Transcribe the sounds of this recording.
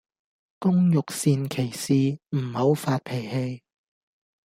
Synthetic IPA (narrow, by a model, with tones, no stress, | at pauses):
kʊ˥ŋjʊ˨k̚siː˧nkʰe˨˩jsiː˨˧m̩˨˩ho˨˧wfaː˧t̚pʰe˨˩jhe˧j